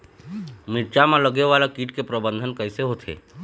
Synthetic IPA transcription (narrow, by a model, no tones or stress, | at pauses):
mɪɾt͡ʃamãləɡeʋalakiːʈkepɾəbə̃nd̪ʱənkəɪseɦot̪ʰḛː